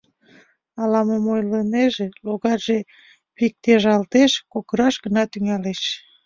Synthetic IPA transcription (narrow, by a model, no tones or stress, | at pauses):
ɑlɑmomojləneʒeloɣɑʒe | pik̚t̪eʒɑlt̪eʃkokəɾɑʃɡənɑt̪yŋæleʃ